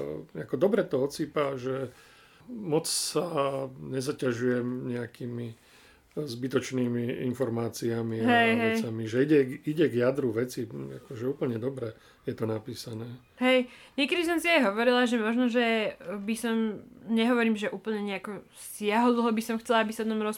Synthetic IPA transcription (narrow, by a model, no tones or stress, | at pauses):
akɔd̪ɔbɾɛt̪ɔɔt͡siːpaʒɛ | mɔt͡ssaɲɛzacaʒujɛmɲɛakiːmi | zbit̪ɔt͡ʃniːmiinfɔɾmaːt͡siamiaɦɛɦɛɛjt͡samiʒɛiɟɛiɟɛɡjad̪ɾuʋɛt͡sia̰kɔʒɛuːpl̩ɲɛd̪ɔbɾɛ | jɛt̪ɔnapiːsanɛː | ɦɛjɲɪɛkɛd̪is̬ɔmsiajɦɔʋɔɾilaʒɛmɔʒnɔʒɛbisɔmɲɛɦɔʋɔɾiːmʒɛʔuːpl̩ɲɛɲɛakɔsɪaɦɔd̪l̩ɦɔbisɔmxt͡sɛlaabisad̪nɔmɾɔs